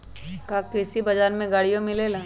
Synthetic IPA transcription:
kakɾɪsibɐd͡ʒaːɾmẽɡaːɽijõmɪleːlaː

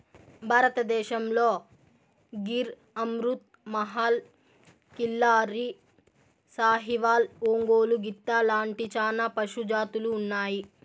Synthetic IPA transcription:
bʱaːɾɐt̪ɐd̪ɛːʃɐmloː | ɡiɾ | ɐmɾut̪̚ | mɐɦaːl | kilːaːɾi | saːɦiʋaːloːŋɡoːluɡit̪ːɐlaːɳʈit͡ʃaːnɐpɐʃud͡ʒaːt̪uluːnːaːji

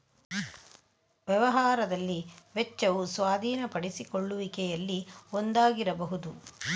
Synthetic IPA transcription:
ʋjɛʋɐɦaːɾɐd̪ɐlːiʋɛt͡ʃːɐʋusʋaːd̪ʱiːnɐpɐɽisikoɭːuʋikɛjɐlːiond̪aːɡiɾɐbɐɦud̪u

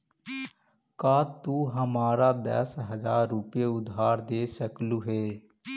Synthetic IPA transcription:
kaːt̪uːɦəmaːɾaːd̪ɛ̰ːsɦəzaːɾːʊpjeʊd̪ʱːaːɾd̪eːsəkluːɦeː

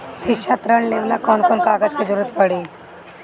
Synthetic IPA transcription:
ʃɪʃʰat̪ɾəɳ̃leːʋnakɔːnkɔːnkaːɡəd͡ʒked͡ʒəɾuːɾət̪pɐɽiː

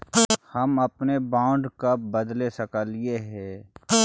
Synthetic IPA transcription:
hɐmɐpnebãːʊ̃ɳɖkabəd̪lesɐkalieɦɛ̃ː

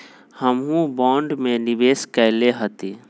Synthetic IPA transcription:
həmɦũbɔ̃ːɳɖmenibeskəɪleɦət̪i

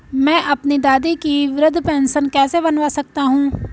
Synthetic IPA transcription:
mɛ̃ːʔəpniːd̪aːd̪iːkiːʋɪɾəd̪ʱpɛːnsənkɛːseːbənʋaːsək̚t̪aːɦũː

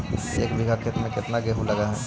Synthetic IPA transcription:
eːkbʱiɡʱakʰet̪mẽkɪt̪naɡeɦulɐɡaɦɛ

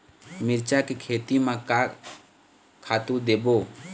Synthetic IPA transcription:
miɾt͡ʃakekʰeːt̪imãka | kʰat̪ud̪ebo

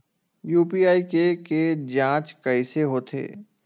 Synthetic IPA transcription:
juːpiaːikeked͡ʒãːt͡ʃkəɪseɦoːt̪ʰḛː

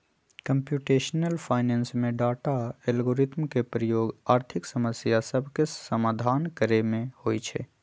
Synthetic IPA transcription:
kəmpjuʈeʃnəlpʰaɪnensmẽɖaʈaelɡoːɾit̪mkepɾəjoːɡaːɾt̪ʰiksəməsjasəbʱkesəmaːd̪ʱankəɾemẽhojt͡ʃʰɛ̰

